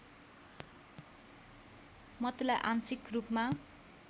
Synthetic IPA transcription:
mʌt̪ilaʔansikrupma

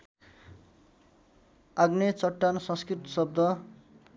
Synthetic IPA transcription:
aɡnet͡sʌʈːansʌ̃nskrit̪sʌb̚d̪ʱʌ

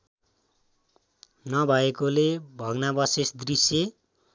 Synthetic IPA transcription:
nʌbʱʌekolebʱʌɡnabʌsesd̪risje

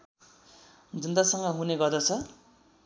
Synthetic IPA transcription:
d͡zʌnd̪asʌŋɡʌɦuneɡʌrd̪ʌt͡sʰʌ

